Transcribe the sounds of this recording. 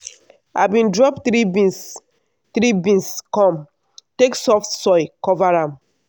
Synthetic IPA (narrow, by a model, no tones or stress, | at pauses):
a̰bĩndɹɔptɾibĩs | t̪ɾibĩnskɔ̃m | teksɔftsɔɪkɔvaɹãm